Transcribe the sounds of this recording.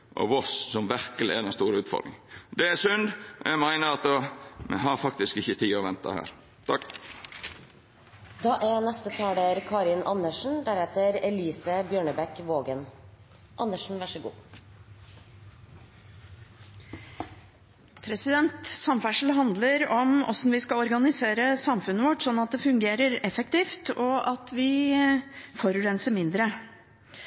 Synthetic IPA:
ʔɔ̰ʋɔssɔmʋæɾkəlɪæ̰d̪ɛnst̪uːɾəʉːt̪fɔ̰ɾd̪ɪ̰ŋd̪ɛæsʉnd̪ʔɔ̰jæmæɪnəɾɑt̪omɛ̰ɦɑɾfɑk̚t̪ɪskɪçət̪ʰiːɔʋɛnt̪ɑ̰hæ̰ːɾ | t̪ʰɑk | d̪ɑːʔɛɾnɛst̪ət̪ʰɑːɖəɾkʰɑːɾɪnʔɑnːəʂɳ̩d̪æɾɛt̪əɾɛliːsəbjøːɳəbɛkʋoːɡən | ʔɑnːəʂɳ̩ʋæʂɔɡṵː | pʰɾɛsɪd̪ɛnt̪sɑmfæʂl̩ɦɑnd̪ləɾɔmɔ̰sɔn̩ʋɪskɑlɔɾɡɑnɪseːɾəsɑmfʉnːəʋɔʈːsɔnːɑt̪̚d̪ɛfʉŋɡeːɾəɾɛfɛk̚t̪iːft̪ɔʔɑt̪ʋɪ | fɔɾʉɾɛnsəɾmɪnd̪ɾə

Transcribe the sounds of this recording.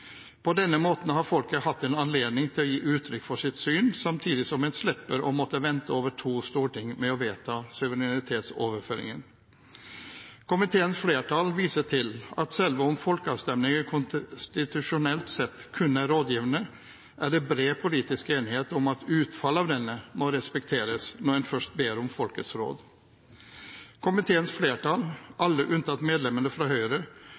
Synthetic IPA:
pʰɔd̪ɛnːəmoːt̪n̩hɑɾfɔlkəhɑt̪ːɛnɑnleːd̪nɪŋt̪ʰɪlɔjiːʔʉːt̪ʰɾʏkːfɔʂɪt̪syːnsɑmt̪ʰiːd̪ɪsɔmɛnslɛpːəɾɔmɔt̪ːəʋɛnt̪əoːʋəʈʰuːst̪uːɾʈɪŋːmɛɔʋeːt̪ʰɑsʉʋəɾɪnɪt̪ʰeːt̪soːʋəɾføːɾɪ̰ŋən | kʰʊmɪt̪ʰeːənsfleːʈʰɑlʋiːsəʈʰɪlɑt̪sɛlʋəɔmfɔlkəɑʋst̪ɛmnɪŋəɾkʰʊnst̪ɪt̪ʉʂʊnɛlt̪sɛt̪ːkʰʉnːəɾoːd̪jiːʋənə | ʔæɖɛbɾeːpʰʊliːt̪ɪskeːnɪheːt̪ɔmɑt̪ʉːt̪fɑlɑʋd̪ɛnːəmɔɾɛspɛk̚t̪ʰeːɾəsnɔɛnfœʂʈ̚beːɾɔmfɔlkəsɾo̰ːd̪ | kʰʊmɪt̪ʰeːənsfleːʈɑːlʔɑlːəʔʉnt̪ʰɑt̪meːd̪lɛmənəfɾɑɦœʏɾə

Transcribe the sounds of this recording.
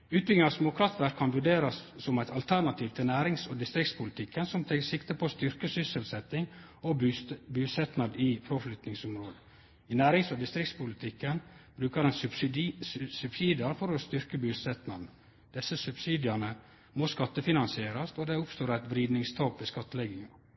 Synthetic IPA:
ʉːt̪̚bʏlɡɪŋɑsmuːkʰɾɑt̪ʋæɾkʰːɑnʋʉɖeːɾɑsːɔmæɪt̪ʰɑlt̪ʰæɾnɑt̪ʰiːʋt̪ʰɪlnæːɾɪŋsɔd̪ɪst̪ɾɪkt̪spʰʊlt̪ʰɪkːənsɔmt̪ʰɛksɪkt̪əpʰost̪ʏɾkəsʏsəlsɛt̪ːɪŋ | ɔbʉːsɛt̪nɑd̪ɪfʰɾoflʏt̪nɪŋsʊmɾoːd̪ə | ɪnæːɾɪŋsɔd̪ɪst̪ɾɪkt̪spʊlɪt̪ʰɪkːənb̥ɾʉːkəd̪ɛns | sʉb̥siːd̪ɪɑɾfɔɾɔst̪ʏɾkəbʉːsɛt̪nɑd̪n̩ | d̪̥ɛsːəsʉbsiːd̪ɪɑɳə | moskɑt̪ːəfɪnɑnsɪeːɾɑst̪ɔd̪ɛʊpst̪oːɾæɪt̪ʋɾiːd̪nɪŋst̪ʰɑːpʋɛskɑt̪ːəlɛɡɪŋɑ

